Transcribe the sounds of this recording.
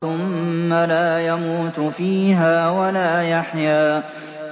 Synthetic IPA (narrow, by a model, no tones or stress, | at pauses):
ʊmːalaːjamuːt̪fiːɦaːwalaːjaħjaː